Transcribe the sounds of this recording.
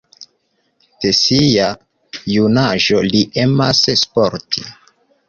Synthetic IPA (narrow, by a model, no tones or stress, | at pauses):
d̥esija | junaʒo̞liʔe̞masspoɾtʰi